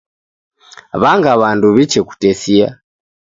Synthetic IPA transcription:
βaŋɡaβanduβit͡ʃɛku̥tɛsia̰

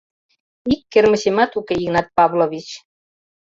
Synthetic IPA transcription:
ikːermə̆ɕemɑt̪ukeiɣnɑt̪̚pɑβloβʲit͡ɕ

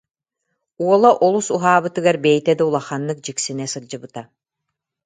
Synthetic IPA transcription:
uɔlˠɔʔɔlˠusuɦaːβɯt̪ɯɡaɾbɛjt̪ɛd̪ɔulˠaχanːɯk̚d͡ʑiksinɛsɯɾd͡ʑɯbɯt̪a

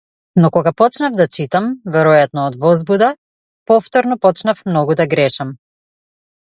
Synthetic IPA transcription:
nɔkɔɡapɔt͡ʃnavd̪at͡ʃit̪amvɛɾɔjat̪nɔːd̪vɔzbud̪a | pɔft̪ɔɾnɔpɔt͡ʃnafmnɔɡud̪aɡɾɛʃam

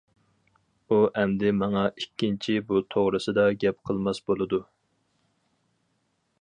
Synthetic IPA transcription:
uʔɛmd̪ɪmɑŋɑʔikʲːint͡ʃʰibut̪ʰoʁɾɨsɨd̪ɑɡʲɛpqʰəlˠmɑsbolˠɨd̪u

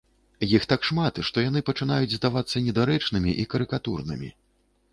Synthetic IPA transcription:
jixt̪akʂmat̪ʂt̪ɔjan̪ɨpɐt͡ʂɨnajud͡zʲzd̪avat̪sːɐnʲɛd̪aɾɛt͡ʂnɨmʲiʔikɐɾɨkat̪urnɨ̰mʲḭ

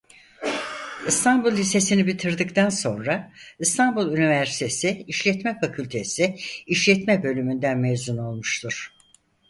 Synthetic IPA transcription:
ɯst̪ʰanbulˠhise̞sinibit̪ʰɯɾd̪ɯkt̪ʰanso̞nɾaɯst̪ʰanbulˠynivæɾsi̥t̪ʰesiiʃlʲɛt̪mɛfakʰylʲt̪ʰesiiʃlʲɛt̪mɛbø̞lʲymynd̪ænmevzuno̞lˠmuʃt̪ʰuɾ̥

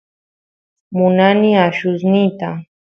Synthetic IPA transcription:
mʊnanɪaʃʊsnɪt̪a

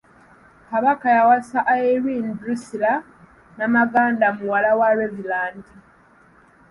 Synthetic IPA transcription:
kaβakajawasaʔaeɾinbɾusila | namaɡaːndamuwalawaɾevilaːndi

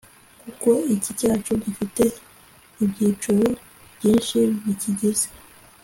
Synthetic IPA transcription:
kuko̞icicaːt͡ʃoɟifite̞ | ibɟiːt͡ʃuɾo | b̥jiːnʃiβiciɟize̥

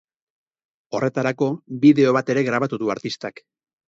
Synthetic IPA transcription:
o̞re̞t̪aɾako̞βbiðe̞o̞β̞at̪e̞ɾe̞ɣɾaβat̪uðuaɾt̪ist̪ak

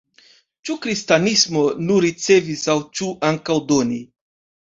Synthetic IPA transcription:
t͡ʃukɾistanismo̞nuɾit͡se̞visawt͡ʃuʔaŋkawdo̞ni

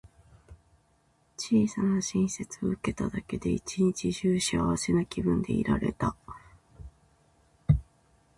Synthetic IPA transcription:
t͡ɕiːsanaɕĩɰ̃se̞t͡sɨoɯ̟ke̞t̪ad̪ake̞d̪e̞it͡ɕiɲ̟it͡ɕiʑɨːɕiaβase̞nakʲibɯ̟̃nd̪e̞ḭɾaɾe̞t̪a

